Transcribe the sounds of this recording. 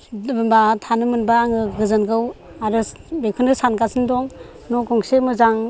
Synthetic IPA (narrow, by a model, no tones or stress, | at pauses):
bɯnbatʰanɯmɯnbaːŋɯɡɯzɯnɡɯw | aɾɯbekʰɯnɡɯsankasʰɯndɔŋ | nɔɡɔŋsemɯzaŋ